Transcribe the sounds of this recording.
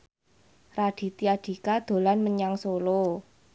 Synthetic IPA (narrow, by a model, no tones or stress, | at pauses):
raɖ̪̥i̤t̪iad̪̥i̤kad̪̥o̤lanməɲaŋsolo